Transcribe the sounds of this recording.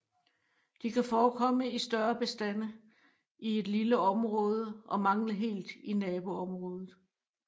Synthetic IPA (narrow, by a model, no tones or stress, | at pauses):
d̥ikʰæfɒːkʰɒ̽məisd̥ɶɐb̥e̝sd̥æn̰ə | ie̝d̥liləɒ̽mʁɔ̽ːð̞ˠəʔɒ̽mɑ̈ŋ̰ləɦe̝̰ːld̥inɛːb̥o̝ɒ̽mʁɔ̽ːð̞ˠð̩ˠ